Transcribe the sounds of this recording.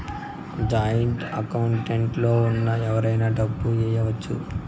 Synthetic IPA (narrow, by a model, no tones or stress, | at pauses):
d͡ʒaːjɐɳʈɐkɐwuɳʈeɳʈlo̞ːunːɐɛʋɐɾɐjnaːɖɐbːud͡ʒɛːjɐʋɐt͡ʃːṵ